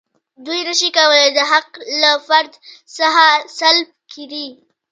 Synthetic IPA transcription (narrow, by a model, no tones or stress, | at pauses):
d̪ujɾəʃikawəled̪əɦaqlafaɾd̪saɦasalb̚kiɾi